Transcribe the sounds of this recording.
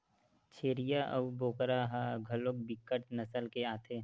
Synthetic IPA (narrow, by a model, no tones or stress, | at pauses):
t͡ʃʰeːɾijaʔəboːkɾaɦaɡʱəloːk̚bɪkːəʈnɐsəlkeaːt̪ʰeː